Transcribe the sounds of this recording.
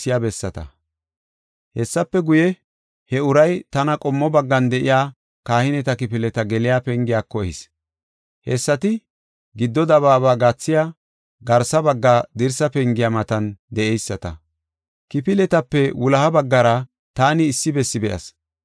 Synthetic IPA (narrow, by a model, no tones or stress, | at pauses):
ɪjabɛsːɐt̪ɐ̰ | hɛsːɐpːɛɡʊjɛ | hɛʊɾɐjt̪ɐnɐkʼɔmːɔbɐɡːɐnd̪ɛʔɪ̰jaː | kaːhɪnɛt̪ɐkɪpɪlɛt̪ɐɡɛlɪjaːpɛŋɡɪjaːkːɔɛhɪs | hɛsːɐt̪ɪ | ɡɪd̪ːɔd̪ɐβaːβaːɡaːt͡sːɪja | ɡɐɾsɐbɐɡːaːd̪ɪɾsɐpɛŋɡɪjaːmɐt̪ɐnd̪ɛʔɛjsːɐt̪ɐ̰ | kɪpɪlɛt̪ɐpːɛwʊlɐhɐbɐɡːɐɾɐ | t̪aːnɪːsːɪbɛsːɪbɛʔɐ̰s